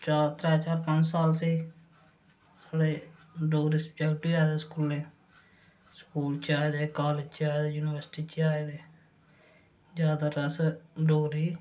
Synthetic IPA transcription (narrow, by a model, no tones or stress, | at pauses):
t͡ʃaːt̪ɾɛːt͡ʃaːɾpəɲd͡ʒsaːlseː | saːɽeːɖoːɾiːspd͡ʒaɡʈiaːd̪eːskuːlẽː | skuːlt͡ʃaːed̪eːkaːleːd͡ʒt͡ʃaːed̪eːjuːnɪʋəɾsʈiːt͡ʃaːed̪eː | d͡ʒjaːd̪aːɾəsɖoːɾiː